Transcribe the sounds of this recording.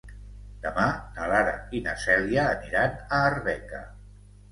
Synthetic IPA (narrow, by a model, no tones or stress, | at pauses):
d̪̥əmanalaɾa̰inasɛliaːniɾanəːrβɛka̰